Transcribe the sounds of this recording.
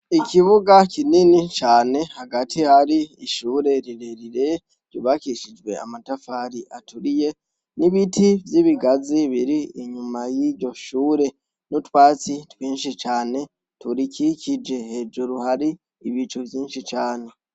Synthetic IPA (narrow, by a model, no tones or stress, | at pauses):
ikʰiβuɡakininit͡ʃaːne̞haɡatʰihaɾiiʃuːɾe̞ɾiɾeɾiɾe | ɾ̥uβakiʃid͡ʒwe̞̰a̰matafaːɾiʔatuɾije̞ | niβitʰivjiβiɡaziβiɾiiɲumajiɾɟo̞ʃuːɾe̞ | nutwaːt͡sitwiːnʃit͡ʃaːne̞ | tuɾicicid͡ʒe̞he̞d͡ʒuɾuhaɾiː | βit͡ʃovjiːnʃit͡ʃaːne